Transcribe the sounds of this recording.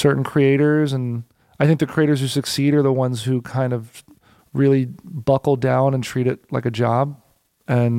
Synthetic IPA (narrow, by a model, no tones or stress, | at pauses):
sɜ˞ʔn̩kʰɹ̥ieɪɾə˞zə̃n | aɪθɪ̃ŋk̚ðɨkʰɹ̥ieɪɾə˞z̥hʉsɨksiɾə˞ðəwʌ̃nz̥hʉkʰãɪ̃ndʌv | ɹɪlˠibʌkl̩ˠdãʊ̃nə̃ntʰɹ̥iɾɨt̚laɪkɨd͡ʒɑb̚ | ɨ̃n